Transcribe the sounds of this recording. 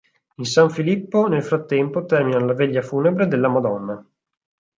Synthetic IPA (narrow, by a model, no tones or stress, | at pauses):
insaɱfilipːonelfɾat̪ːɛmpot̪ɛrminalaveʎːafuːnebɾed̪elːamad̪ɔnːa